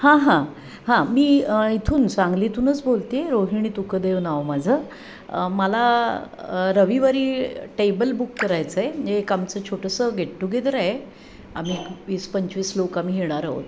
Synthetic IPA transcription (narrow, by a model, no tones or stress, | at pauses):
hãɦã | hãmiːəit̪ʰuːnt͡sãŋɡlit̪ʰuːnət͡sbolt̪eɾoɦiɳ̃it̪ukəd̪eʋnaʋmad͡zʱə | məla | ɾəʋiʋaɾiːʈebəlbukːəɾajt͡səeeekamt͡sət͡ɕʰoʈʰəsəɡʱeʈʈuɡʱed̪əɾae | am̤iːkʋiːspəɲt͡ɕʋiːslokamiːɦeɽ̃aɾə̰o̰t̪